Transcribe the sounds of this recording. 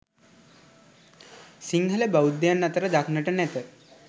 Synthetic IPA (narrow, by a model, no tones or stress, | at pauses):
siŋɦələbawud̪ːejanːat̪əɾəd̪aknəʈənɛt̪ə